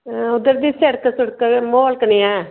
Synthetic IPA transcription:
ʊd̪əɾd̪iːseɽkəsʊɽkmoːlkəniːɛː

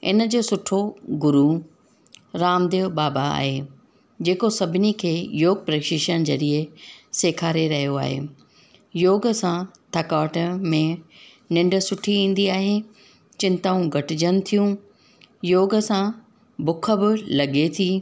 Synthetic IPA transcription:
ɪ̰nə̆d͡ʑoːsʊʈʰoɡʊɾu | ɾaːmd̪eobaːbaa̰ːɦe | d͡ʑeːkosɐbʱɪnikʰeːjoːɡ̚pɾeːkʃɪʃənɪ̆d͡ʑɐɾiəseːkʰaːɾeɾɐɦijoa̰ːɦḛː | joːɡəsãt̪ʰɐkaːʈəmẽ | nɪ̃ɳɖə̆sʊʈʰiĩːn̆d̪iaːɦe | t͡ɕɪ̃nt̪aːũɡʱɐʈɪd͡ʑənɪ̆t̪ʰijũ | joːɡəsã | bʊkʰə̆bɪlɐɠet̪ʰiː

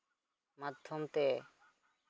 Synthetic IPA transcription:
mat̪ʰːomt̪eː

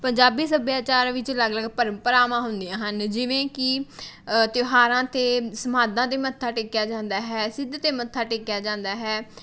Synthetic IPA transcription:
pəɲd͡ʒaːbiːsəbjaːt͡ʃaːɾʋɪt͡ʃləɡləɡpəɾəmpəɾaːmãːɦʊnd̪iãːɦənd͡ʒɪʋẽːkɪ | t̪joɦaːɾãːt̪eːsəmaːd̪ãːt̪̬eːmət̪ʰːaːʈɪkjaːd͡ʒãːnd̪aːɦɛːsɪd̪t̪eːmət̪ʰːaːʈɪkjaːd͡ʒãːnd̪aːɦɛː

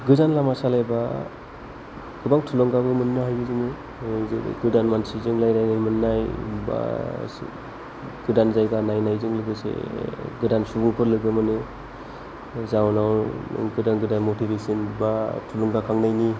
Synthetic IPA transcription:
ɡɯzanlamasalajba | ɡ̥ɯbaŋtʰulɔŋɡabɯmɯnːɯɦajɡɯzɯŋɯ̰ | ɡɯdanmansizɯŋlajnajnajmɯnːajba̰ | ɡ̥ɯdanzajɡanajnajzɯŋlɯɡɯsḛɡɯdansubuŋpʰɯɾlɯɡɯmɯnɯ | zawnaw̰ɡɯdaŋɡɯdanmotibesɯnbatʰulɔŋɡakʰaŋnajni

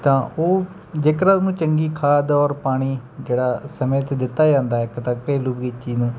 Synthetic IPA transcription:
t̪ãːʔoː | d͡ʒeːkəɾaːnũːt͡ʃəŋɡiːkʰaːd̪ɔːɾpaːɽ̃iːd͡ʒeːɽaːsəmẽːt̪ːd̪ɪt̪ːaːd͡ʒãːnd̪aːɛɪkt̪akpeːluːbɡiːt͡ʃiːnũː

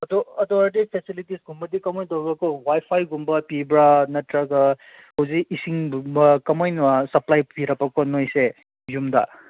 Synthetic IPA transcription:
ɐdɔɐdɔɐɾdipʰesilitisɡumbɐdikɐmɔjdɔwbɐkɔwajpʰajɡumbɐpibɾanɐtɾaɡɐ | howziisiŋbɐkɐmojnasɐplajpiɾɐpːɐkɔnojse | jumda̰

